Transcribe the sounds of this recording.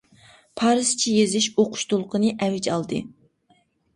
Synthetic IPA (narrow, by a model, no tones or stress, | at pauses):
pʰɑːɾɨst͡ʃʰijezɪʃoqʰʊ̥ʃt̪olˠqʰənɨʔɛvɪd͡ʒɑlˠd̪ɨ